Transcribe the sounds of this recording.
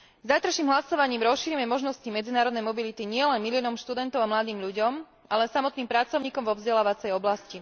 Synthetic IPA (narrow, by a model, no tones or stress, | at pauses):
zajt̪ɾaʃiːmɦlasɔʋaɲiːmɾɔsʃiɾimɛmɔʒnɔscimɛd͡zinaːɾɔd̪nɛjmɔbilit̪iɲɪɛlɛnmilijɔnɔmʃt̪ud̪ɛnt̪ɔʊamlad̪iːmʎuɟɔm | ʔalɛsamɔt̪niːmpɾat͡sɔʊɲiːkɔmvɔvzɟɛlaːʋat͡sɛjɔblasci